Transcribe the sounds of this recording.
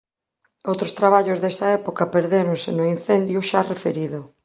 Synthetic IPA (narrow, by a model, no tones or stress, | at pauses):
owt̪ɾost̪ɾaβ̞aʎʊzðesɐɛpokɐpeɾðeɾõnsɪnoin̟θend̪juʃarefeɾiðʊ